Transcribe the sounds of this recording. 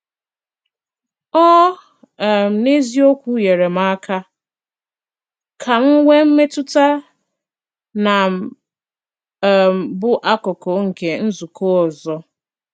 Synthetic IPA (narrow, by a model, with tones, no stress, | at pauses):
ɔ˦˨ | m̩˨ne˦zi˦o˦kʷu˦je˨ɾe˨m̩a˦kʰa˦ | kʰa˨m̩˦ŋʷe˦m̩˦me˦tʊ˦ta˦ | na˨ | m̩˨bʊ˦ʔa˦kɔ˨kɔ˨ŋ̩˨ke˨n̩˦zu˨ko˦ɔ˨zɔ˦